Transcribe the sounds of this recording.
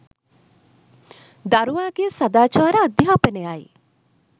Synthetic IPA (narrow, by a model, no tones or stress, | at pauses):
d̪aɾuwaɡesad̪aːt͡ʃaːɾaːd̪japeneaj